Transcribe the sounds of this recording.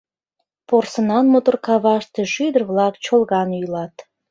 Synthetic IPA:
porsənɑnmot̪orkɑβɑʃt̪eʃyd̪ərβlɑkt͡ɕolˠɣɑnujlɑt̪

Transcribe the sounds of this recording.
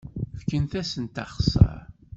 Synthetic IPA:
fkənθæsənt̪ɑχsə̰ɾ

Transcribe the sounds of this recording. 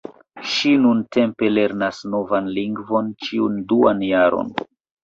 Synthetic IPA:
ʃinunte̞mpe̞le̞ɾnasno̞vanliŋɡvo̞nt͡ʃiunduanjaɾo̰n

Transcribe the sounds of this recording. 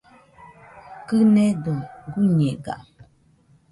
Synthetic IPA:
kɨnɛduɡuɲɛɡa̰ʔ

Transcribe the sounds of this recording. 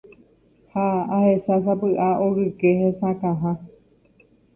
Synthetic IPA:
haːhe̞sasapɨʔaʔoɾɨkehesãkãɦã

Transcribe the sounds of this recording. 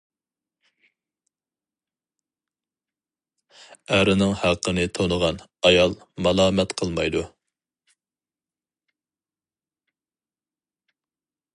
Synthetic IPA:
æɾɪnɪŋhæqʰːənɨt̪ʰonəʁɑnɑjɑlˠ | mɑlˠɑːmɛt̪qʰəlˠmɑ̰jd̪u

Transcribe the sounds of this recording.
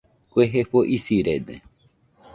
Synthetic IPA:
kʷeɦeɸoʔisiɾed̪ḛ

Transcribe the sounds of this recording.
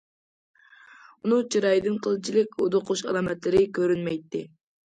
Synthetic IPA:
unɨŋt͡ʃʰiɾɑjd̪ɨnqʰəlˠɨt͡ʃʰilɪkʲo̰d̪oqʰuʃɑ̰lˠɑːmɛt̪lɪɾɪkʲʰøɾynmɛjt̪ːɪ

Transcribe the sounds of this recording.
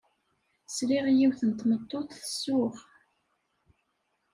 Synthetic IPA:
sɾiʁjiwθənt̪ːmət̪ˤːoθθə̥sːʊʁ

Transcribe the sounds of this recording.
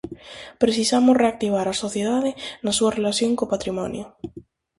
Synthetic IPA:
pɾeθisamosreak̚t̪iβ̞aɾasoθjeðaðɪnasuɐrelaθjoŋkopat̪ɾimɔ̰njo

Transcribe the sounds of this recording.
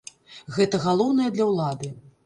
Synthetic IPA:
ɣɛt̪ɐɣalˠɔwnɐjɛd̪lʲɐwlˠad̪ɨ

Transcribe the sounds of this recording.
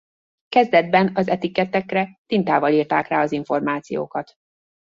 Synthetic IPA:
kɛzd̪ɛd̪̚bɛnɒzɛt̪ikːɛt̪ːɛkrɛt̪int̪aːvɒliːrt̪aːkraːɒziɱfo̞rmaːt̪sijo̰ːkɒt̪

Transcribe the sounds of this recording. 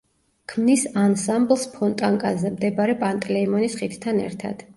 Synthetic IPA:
kʰmnisansamblˠspʰɔnt̪ʼaŋkʼazɛmd̪ɛbaɾɛpʼant̪ʼɛlɛimɔnisχit̪ʰt̪ʰanɛ̰ɾt̪ʰa̰d̪̥

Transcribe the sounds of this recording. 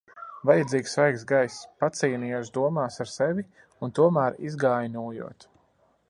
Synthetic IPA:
vajad̪ziːksvajksɡajspat̪siːnijas̬d̪uɔmaːsaɾsɛvʲi | unt̪uɔmæːɾizɡaːjnuːjṵɔt̪

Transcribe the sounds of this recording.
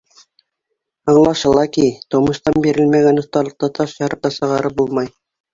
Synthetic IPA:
ɑɴlˠɑʃɤ̆lˠɑkijt̪ŏmɤ̆ʃt̪ɑnbiɾɘlmæɡænŏθt̪ɑlˠɤ̆q̚t̪ɑt̪ʰɑʃjɑɾɤ̆q̪̚ːɑsɤ̆ʁɑɾɤp̚bulˠmɑj

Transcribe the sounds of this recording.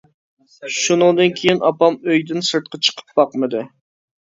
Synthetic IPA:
ʃunɨŋd̪ɨnkʲʰejinɑpɑmøjd̪ɪnsɨɾt̪̚qɑt͡ʃʰə̥qʰə̥p̚b̥ɑqmɨd̪ɨ

